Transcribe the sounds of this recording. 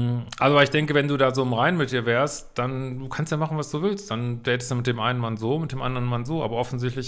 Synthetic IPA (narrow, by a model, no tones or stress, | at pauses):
ʔalzoɪçd̥ɛŋkəvɛnduːdaːzoːɪmʁaɪnmɪt̚d̥iːɐvɛːɐstd̥anduːkʰanstjaːmaχn̩vasd̥uːvɪlst̚d̥anvɛːtə̥stjaːmɪt̚d̥eːmʔaɪnənmanzoːmɪtd̥eːmʔa̰ndəʁənmanzoːʔa̰ːbɐʔɔfn̩zɪçtlɪç